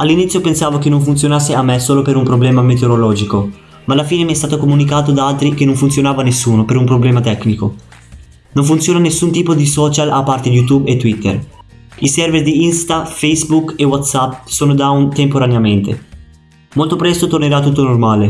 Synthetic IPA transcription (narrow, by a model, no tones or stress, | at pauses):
alːinit̪sjopensaːvok̟enːoɱfunt̪sjonasːeamːesoːlopeɾumpɾoblɛːmamet̪eoɾolɔːd͡ʒiko | maːlːafiːnemiɛst̪aːt̪okomunikaːt̪od̪aalt̪ɾik̟enoɱfunt̪sjonaːvanesːuːnopeɾumpɾoblɛːmat̪ɛkːniko | noɱfunt̪sjoːnanesːunt̪iːpod̪isɔːt͡ʃalapːart̪ejut̪ubet̪ːwit̪ːḛr | isɛrverd̪iinst̪afejsbukewat̪sapːsoːnod̪aunt̪empoɾaneament̪ḛ | molt̪opɾɛst̪ot̪orneɾat̪ːut̪ːonormaːle